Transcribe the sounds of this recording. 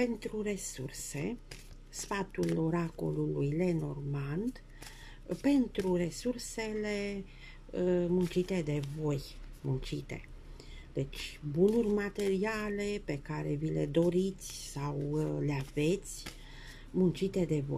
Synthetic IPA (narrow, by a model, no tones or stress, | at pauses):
pe̞nt̪ɾure̞surse̞̰ | sfat̪ulo̞ɾako̞̰lulujle̞no̞̰rmand̪ | pe̞nt̪ɾure̞surse̞le̞ | munt͡ʃit̪e̞d̪e̞vo̞jmunt͡ʃit̪e̞̰ | d̪̥e̞t͡ʃʲbunurʲmat̪e̞ɾiale̞pe̞kaɾe̞vile̞d̪o̞ɾit̪sʲsawleave̞t̪sʲ | munt͡ʃit̪e̞d̪e̞vo̰j